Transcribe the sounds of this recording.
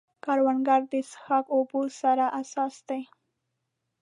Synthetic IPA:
kɑɾwanɡaɾd̪əsxakobosaɾaʔasɑsd̪̥aj

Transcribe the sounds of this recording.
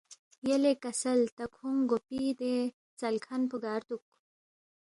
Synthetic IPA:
jɐlekɐsɐlt̪ɐkʰuŋɡopid̪e | t͡sɐlkʰɐnpuɡaːɾt̪uk̚

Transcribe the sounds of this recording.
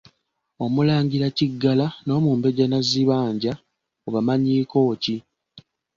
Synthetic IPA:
o̞mulaːɲɡiɾaciɡːalano̞ːmuːmbe̞ɟanaziβaːɲɟa | oβamaɲiːko̞ːci

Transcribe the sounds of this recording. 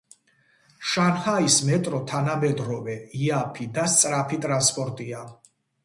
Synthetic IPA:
ʃanhaismɛt̪ʼɾɔt̪ʰanamɛd̪ɾɔvɛiapʰid̪ast̪sʼɾapʰit̪ʼɾanspʼɔɾt̪ʼia

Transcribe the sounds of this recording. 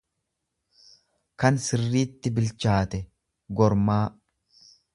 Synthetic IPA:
kɐnsɪrːiːt̪ːɪbɪlt͡ʃaːt̪ɛ | ɡɔɾmaː

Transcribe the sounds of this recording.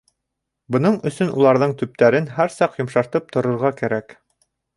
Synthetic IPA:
bɤ̆n̪ɤɴɵ̆sɵnṵlˠɑɾðɤɴt̪ɵ̆p̚t̪æɾɘnɦæɾsɑqjŏmʃɑɾt̪ɤp̚t̪ŏɾŏɾʁɑkæɾæk

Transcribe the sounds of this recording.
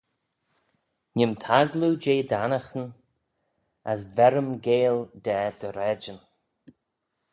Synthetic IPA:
nʲɪmt̪ʰaɡlud͡ʒeːd̪anəxən | əs̬vɛɾəmɡeːld̪ɛːd̪̥əɾɛd͡ʒən

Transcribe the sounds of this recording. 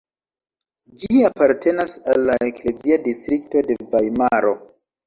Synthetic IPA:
d͡ʒiapaɾtʰe̞nasalːaekle̞ziadistɾikto̞de̞vajmaɾo̞

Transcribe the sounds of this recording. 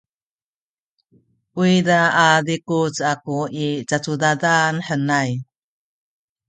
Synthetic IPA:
uidaadikut͡sakuit͡sat͡sudadanħənaj

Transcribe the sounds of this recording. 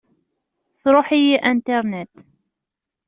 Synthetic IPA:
θɾuħijiʔint̪ɛɾnɛt̪

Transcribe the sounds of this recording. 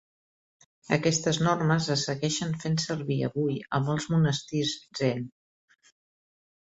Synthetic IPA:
ə̰kɛst̪əznorməzəsəɣɛʃənfensəɾβiə̰βujə̰məlˠzmunəst̪izzɛn

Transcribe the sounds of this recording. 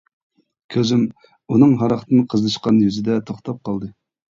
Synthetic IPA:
kʲʰøzym | unɨŋɦɑɾɑχt̪ʰɨnɨqʰəzlˠɨʃqɑnjyzɪd̪ɛt̪ʰoχt̪ʰɑp̚qʰɑlˠd̪ɨ

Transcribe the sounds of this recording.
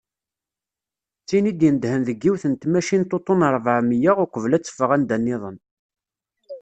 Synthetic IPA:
t͡sːinid̪jənd̪hənðəɡːiwθənt̪mæʃint̪ːot̪ˤːonəɾˤvəʕmijəʁʊkʷəvlæt͡sːə̥fəʁænd̪ænːɪðˤən

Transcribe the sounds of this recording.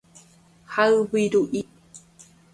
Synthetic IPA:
haɰwiɾuʔi

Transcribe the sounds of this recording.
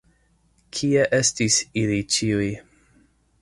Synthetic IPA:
kʰieʔestisilit͡ʃiuj

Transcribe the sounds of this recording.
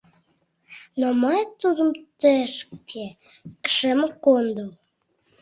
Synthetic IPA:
nomɑjt̪ud̪əmt̪əʃkʰe | kʃəməkond̪u

